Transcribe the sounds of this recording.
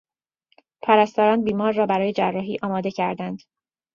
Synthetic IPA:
pʰæɾæst̪ɒːɾɒːnbiːmɒːɾːɒːbæɾɒːje̞d͡ʒærːɒːɦiːʔɒːmɒːd̪e̞cʰæɾd̪ænd̪̥

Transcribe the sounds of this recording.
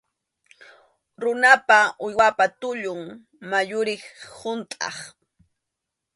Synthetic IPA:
ɾʊnapaʊjwapat̪ʊʎʊŋ | majʊɾɪχhʊnt̪ʼɑ̰χ

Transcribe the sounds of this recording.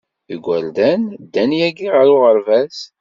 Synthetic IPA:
iɡʷːæld̪ænd̪ːænjæɡiʁəɾʊʁəɾvæs

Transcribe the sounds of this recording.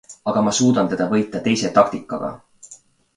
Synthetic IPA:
ɑɡ̥ɑmɑsuːd̪̥ɑnt̪e̞d̪ɑvɤ̞jt̪ːˑɑt̪e̞jse̞t̪ɑk̚t̪ikːˑɑ̰ɡ̥ɑ̰

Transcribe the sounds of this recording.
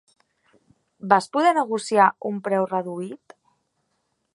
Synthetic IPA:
baspuðɛnəɣusiaumpɾɛwrəðuit̪

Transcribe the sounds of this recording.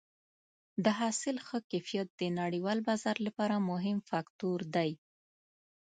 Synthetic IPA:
d̪əɦɑsɪlxəkajfijat̪̚d̪ənaɽiwɑlbazaɾlapɑɾamʊɦɪmfakt̪uɾd̪aj

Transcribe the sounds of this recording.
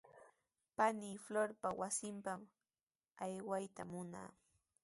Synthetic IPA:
paniːfloɾpawasɪmpam | ajwajt̪amʊna̰ː

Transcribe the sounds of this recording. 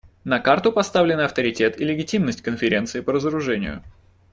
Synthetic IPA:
nɐkart̪ʊpɐst̪avlʲɪnɐft̪əɾʲɪtʲe̞t̪ɪlʲɪɡʲɪtʲimnəsʲtʲkənfʲɪɾʲe̞nt̪sɨɪpəɾəzəɾʊʐɛnʲɪ̰jʊ̰

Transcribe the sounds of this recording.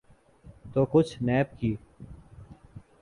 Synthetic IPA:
t̪oːkʊt͡ʃʰnɛːp̚kiː

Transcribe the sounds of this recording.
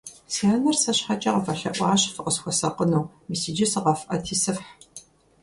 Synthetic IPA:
siaːnɐrsɐɕħat͡ʃʼɐqɐfɐɬɐʔʷʼɑːɕfɨqəsxʷɔsɐqənɐw | misid͡ʒɪsɨʁɐfʔɐtʰiːsɨfħ

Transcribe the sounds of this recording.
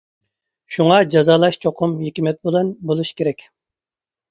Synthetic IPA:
ʃuŋɑd͡ʒɑzɑːlˠɑʃt͡ʃʰoqʰʊmɦekʲimɛt̪̚bolˠɑnbolˠuʃkʲʰeɾɛkʲ

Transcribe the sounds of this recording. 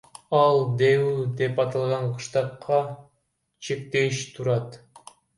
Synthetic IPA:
ɑlˠd̪ewud̪e̞pɑt̪ɑlˠʁɑɴqʰɯ̥ʃt̪ɑqːɑ | t͡ʃʰek̚t̪eʃt̪ʰuɾɑt̪

